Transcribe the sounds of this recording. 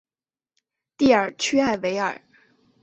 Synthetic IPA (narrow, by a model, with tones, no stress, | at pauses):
t̪i˥˩ə˞˨˩t͡ɕʰy˥a˥˩ɪwe˧˥ɪə̰˞˨˩˦